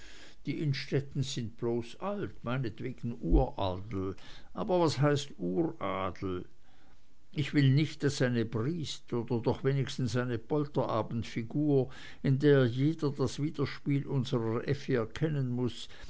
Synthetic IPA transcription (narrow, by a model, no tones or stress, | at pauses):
d̥iːʔɪnʃtɛtn̩zɪnt̚b̥loːsaltmaɪnətv̥eːɡ̥n̩ʔuːɐʔaːdl̩ʔaːbɐvasɦaɪstuːʁʔaːdl̩ | ʔɪçv̥ɪlnɪçt̚d̥asːaɪnəbʁiːstoːd̥ɐdɔχv̥eːnɪçstn̩saɪnəb̥ɔltɐʔaːbn̩tfiɡuːɐ | ɪndeːɐjeːdɐdasv̥iːd̥ɐʃpiːlʔʊnzəʁəʔɛfəɛɐkʰɛnənmʊs